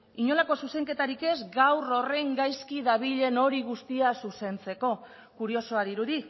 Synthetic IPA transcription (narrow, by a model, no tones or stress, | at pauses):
iɲo̞lako̞suse̞ŋke̞t̪aɾike̞zɡawro̞re̞ŋɡajskiðaβ̞iʎe̞no̞ɾiɣ̞ust̪iasuse̞nt͡se̞ko̞ | kuɾio̞so̞aðiɾuði